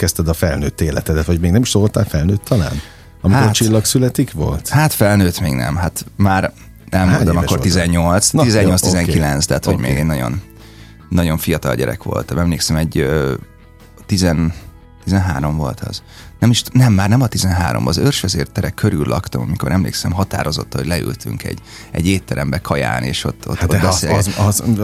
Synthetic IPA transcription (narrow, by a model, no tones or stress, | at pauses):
kɛst̪ɛd̪ɒfɛlnøːt̪ːeːlɛt̪ɛd̪ɛt̪ʋɒɟmeːɡnɛmiʃt̪oot̪aːlfɛlnøːt̪ʰːɒla̰ːn | ɒmiaott͡ʃilːɒksylɛt̪ikʋo̰lt̪hat̪fɛlnøːt̪meːɡnɛ̰mɦat̪maːr | nʔɛmmonɔmɒkːrizɛɲːo̞lt̪sizɛɲːo̞ltst̪iizɛŋkilɛnst̪aːt̪hoɟmḛːɡɛnɒɟo̞̰nː | ɒɟo̞ɱfijɒt̪ɒ̰lɟɛ̰ɾɛ̰kʋo̞̰lt̪ɒmɛmleːksɛmɛɟø | t̪izɛn | t̪izɛnɦaːɾo̞mvo̞̰lt̪ʰɒ̰z | nɛmiʃt̪nɛmːaːrnɛmɒt̪izɛnɦaːɾo̰mbɒzørʃʋɛzḛːrt̪ɛɾɛkʰːøɾylːʔɒkt̪ɒmɒmiko̞ɾʔɛmlḛːksɛmɦɒt̪a̰ːɾo̞zot̪ːɒhoɟlɛy̰lt̪y̰ŋkɛ̰ɟ | ɛ̰ɟeːt̪ːɛɾɛmbɛkʰɒja̰ːnḛːʃo̞̰t̪ːo̰t̪ːbsseːlɡɛ